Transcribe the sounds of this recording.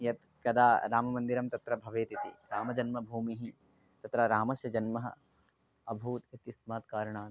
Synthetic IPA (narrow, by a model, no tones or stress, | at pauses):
jɐt̪ | kɐd̪aːɾaːmɐmɐnd̪iɾɐmt̪ɐt̪ɾɐbʱɐʋeːt̪it̪ḭɾaːmɐd͡ʒɐnmɐbʱuːmiɦi | t̪ɐt̪ɾaɾaːmɐʃjɐd͡ʒɐnmɐɦɐ̰ | ɐbʱuːt̪it̪ismaːt̪kaːɾɐɳaː